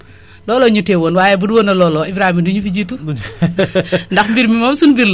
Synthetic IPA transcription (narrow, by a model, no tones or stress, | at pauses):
lɔːlɔɲutewonwajɛbudwonɐlɔːlɔibɾahimɐduɲufid͡ʒitu | ndaxmbiɾmimɔmsunbiɾl